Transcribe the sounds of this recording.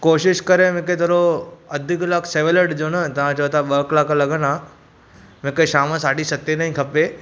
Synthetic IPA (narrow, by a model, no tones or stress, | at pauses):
koːʃɪʃkɐɾemẽket̪ɐɾoɐd̪ʱɪklakʰseːʋeləɖd͡ʑoːnɐt̪ɐʋ̤ãt͡ɕɐʋot̪aɓəːklaːklɐɡəna | m̤ẽkeʃaːmə̃saːɖisɐt̪ːenaːĩkʰɐpe